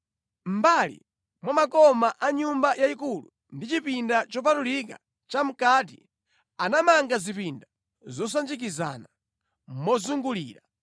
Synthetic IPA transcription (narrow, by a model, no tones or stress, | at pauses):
m̩balḭ | mwamakɔmaʔaɲumbajaikulṵ | ndit͡ʃipindat͡ʃɔp̬atulika̰ | t͡ʃam̩kati | anamaŋɡazipinda | zɔs̬and͡ʒik̬iza̰na | mɔzuŋɡuliːɾa